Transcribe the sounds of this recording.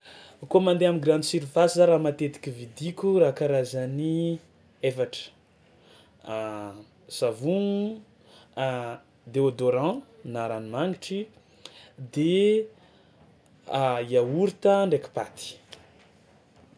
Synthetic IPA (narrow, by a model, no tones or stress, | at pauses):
komand̪eamiɡɾanisiɾifasizaɾamat̪et̪i̥kʲivid̪ikʲuɾakaɾazani | efaʈ͡ʂə̥ | z̥avuŋu | d̪eod̪oɾɑ̃naɾanimaŋiʈ͡ʂi | d̪e | aiauɾit̪əɳɖ͡ʐeki̥pat̪i̥